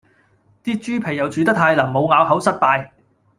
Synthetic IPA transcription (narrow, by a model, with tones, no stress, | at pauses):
t̪iː˥t͡ʃyː˥pʰe˨˩jɐ˨wt͡ʃyː˨˧t̪ɐ˥t̚haː˧jlaː˨˩mo˨˧wŋaː˨˧whɐ˨˥wsɐ˥t̚paː˧j